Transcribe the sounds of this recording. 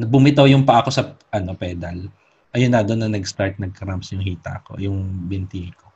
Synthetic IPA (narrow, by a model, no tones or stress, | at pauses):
nɐbʊmɪt̪ɐjʊŋpɐʔɐko̞sɐʔɐno̞pɛːd̪ɐl | ʔɐjʊnad̪onɐnɐɡst̪aɹt̪̚nɐɡ̚kɐɾampsjʊŋhiːt̪ɐ̰ʔɐko̞̰jʊŋbɪnt̪ihɪko